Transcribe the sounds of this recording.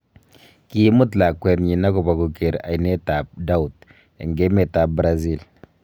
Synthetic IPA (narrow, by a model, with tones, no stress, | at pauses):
ki˦mu˦tla˨kwɛ˨ɾɲi˨na˦ku˨ba˨ɡu˨ke˨ɾa̰˨i˨ne˦ta˨p̚da˦u˨t | ɛ̰˨ŋɡe˦me˨ta˨bɾa˦zi˦˨l